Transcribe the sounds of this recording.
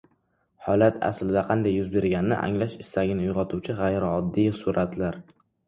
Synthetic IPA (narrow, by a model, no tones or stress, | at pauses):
hɒlat̪ʰa̰slɪd̪aqʰɑnd̪ajːʊzbe̞ɾɡʲanɪnɪ̰ʔa̰ŋlaʃɪst̪aɡʲɪnɪʊjʁɒt̪ʰuwt͡ʃʰɪʁɑjɾɪɒd̪ːɪjsʊɾat̪ʰlaɾ